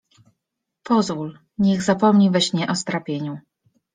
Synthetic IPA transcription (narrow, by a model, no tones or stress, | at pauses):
pɔzvul | ɲɛɣzapɔmɲivɛɕɲɛʔɔst̪ɾapʲjeɲu